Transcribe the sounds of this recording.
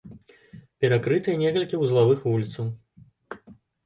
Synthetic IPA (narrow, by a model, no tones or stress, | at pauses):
pʲɛɾakɾɨt̪ɨjɐnʲɛkɐlʲkʲiwzlˠavɨxvulʲit̪sɐw